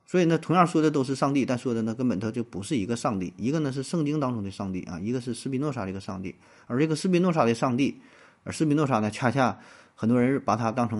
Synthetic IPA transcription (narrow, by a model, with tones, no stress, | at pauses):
swɔ˧˥i˨˩nə˥˧t̪ʰʊ˧˥ŋjɑ˥˧ʂwɔ˥˩d̪ə˨t̪o˥ʊʂ̬ɻ̩˥˧ʂɑ˥˧ŋt̪i˥˧t̪a˥˧nʂwɔ˥˩d̪ə˨nə˧kə˥npə˨˩nt̪ʰɤ˥t͡ɕjo˥˩ʊpu˧˥ʂɻ̩˥˩i˧˥ɡə˧ʂɑ˥˧ŋt̪ḭ˥˩i˧˥ɡə˧nə˧ʂ̬ɻ̩˥˧ʂɤ˥˧ŋt͡ɕi˥ŋt̪ɑ˥ŋʈ͡ʂʊ˥ŋd̪ə˧ʂɑ˥˧ŋt̪ḭ˥˩ʔɐ̰˩i˧˥ɡə˧ʂɻ̩˥˧ʂɹ̩˥pi˧˥nwɔ˥˧ʂa˥˩də˩i˧˥ɡə˧ʂɑ˥˧ŋt̪ḭ˥˩ | ə˞˧˥ʈ͡ʂə˥˩ɡə˧sɹ̩˥p̬i˧˥nwɔ˥˧ʂ̬a˥˩d̪ə˧ʂɑ˥˧ŋt̪i˥˩ | ə̰˞˧˥sɹ̩˥pi˧˥nɔ˥˩ʂa˥˩nə˩t͡ɕʰa˥˩t͡ɕʰja˥˩xə˨˩nt̪wɔ˥ɻə˧˥ɻ̩˥˩pa˨˩t̪ʰa˥t̪ɑ˥ŋʈ͡ʂʰɤ˧˥ŋ